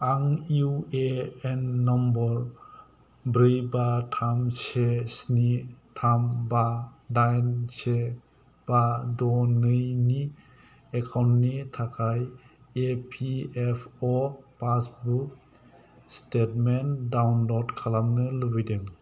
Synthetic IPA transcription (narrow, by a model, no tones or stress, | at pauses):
aŋuweenːɔmbɔɾ | bɾɯjbatʰamsesnitʰambadajnse | b̥adɔnɯjni | ekʰawntnitʰakʰaj | epʰiepʰɔpasbuk | stetmendawnlɔdkʰalamnɯlɯbijdeŋ